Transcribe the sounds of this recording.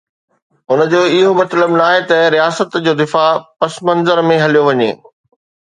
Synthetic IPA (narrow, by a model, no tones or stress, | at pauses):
ʊnə̆d͡ʑoːɪɦomɐt̪ləbnaːɦet̪ɐɾijaːsət̪d͡ʑoːd̪ɪfapɐsmɐ̃nzəɾmẽɦɐlijoʋɐɲḛː